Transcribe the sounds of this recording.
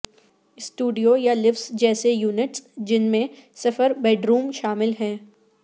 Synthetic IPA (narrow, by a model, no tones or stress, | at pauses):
sʈuːɖijojalɪfsd͡ʒɛːsejuːnɪʈsd͡ʒɪnmẽsɐfəɾbɛːɖɾuːmʃaːmɪlɦɛ̃ː